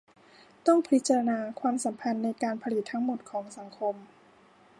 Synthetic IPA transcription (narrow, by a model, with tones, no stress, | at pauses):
t̪ɔ˥˩ŋpʰɾi˦˥t̪̚t͡ɕa˧a˧naː˧kʰwaː˧msa˩˦mpʰa˧nːa˧jkaː˧npʰa˧li˨˩t̪ʰːa˦˥ŋmo˨˩t̪̚kʰɔː˩˦ŋsa˩˦ŋkʰo˧m